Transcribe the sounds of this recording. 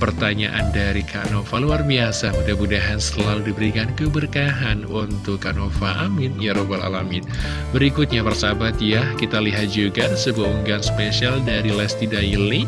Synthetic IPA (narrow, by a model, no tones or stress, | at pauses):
pərt̪aɲaʔa̰ndaɾikʰa̰nofaluarbiasabudabudaɦansəlaludibəɾikankəbərkaɦanunt̪ʊkːa̰ʔnofaʔamɪnjaɾobala̰lamɪn | bəɾikut̪̚ɲapərsabat̪̚jakit̪aliɦat̪̚d͡ʒuɡasəbuaʔuŋɡanspesialdaɾilɛst̪idaili